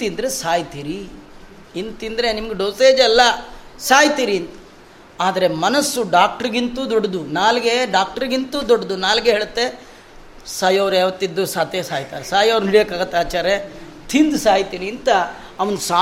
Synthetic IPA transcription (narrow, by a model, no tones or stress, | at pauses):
t̪ind̪ɐɾesaːjt̪iːɾi | int̪ind̪ɐɾe̞nimɐɡeɖoːseːd͡ʒɛlːɐsaːjt̪iːɾiːnt̪ɐ̥ | aːd̪ɐɾe̞mɐnɐsːuɖaːk̚ʈɐɾɡint̪uːd̪oɖːɐd̪unaːlɡe̞ɖaːk̚ʈɐɾɡint̪uːd̪ɔɽːɐd̪unaːlɡeɦeːɭɐt̪ːe̞ | saːjɐʋɾaːʋɐt̪ːid̪ːusaːt̪eːsaːjt̪aːɾesaːjɐʋɾuniɽjeːkːaːɡɐt̪ːaːt͡ʃaːɾe | t̪ʰind̪usaːjt̪iːɾiːnt̪ɐː | ʋɐnusa